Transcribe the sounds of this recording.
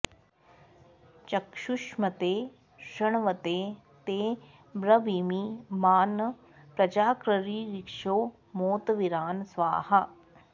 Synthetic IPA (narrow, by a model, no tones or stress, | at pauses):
t͡ʃɐkʃuʃmɐt̪eː | ʃɐɳʋɐt̪eː | t̪eː | bɾɐʋiːmiːmaːn | pɾɐd͡ʒaːkɾɐɾiːɾikʂoː | moːt̪ʋiɾaːnsʋa̰ːhɐ